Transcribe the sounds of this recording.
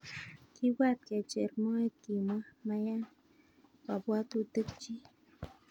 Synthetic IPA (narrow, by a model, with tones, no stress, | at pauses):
ki˦wa˦t̪̚ke˨t͡ʃe˨ɾmo˦e˦t̪̚ki˨ma˦ma˧ja˦n | wa˨bwa˦t̪u˦t̪ɨ˦k̚t͡ʃi˦